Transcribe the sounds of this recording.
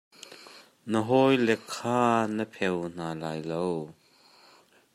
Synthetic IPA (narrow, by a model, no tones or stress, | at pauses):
nəɦɔjlɛkʰːaːnəpʰɛwn̥aːlaːjlow